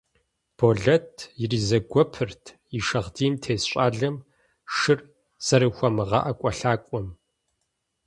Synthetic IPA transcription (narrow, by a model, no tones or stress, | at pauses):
b̥oːɮɐtʰjɪriːzɐɡʷɔpʰɨrtʰ | iʂɐʁdiːmtʰeːsɕʷʼaːɮɐm | ʂɨr | z̥ɐɾɨxʷɐmɨʁɐ̰ʔɐkʷʼɔɬaːkʷʼɔm